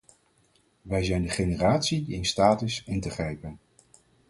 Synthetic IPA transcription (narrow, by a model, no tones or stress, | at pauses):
ʋɛjzɛjndəχejnəraːtsiɪnstaːtɪsɪntəχrɛjpən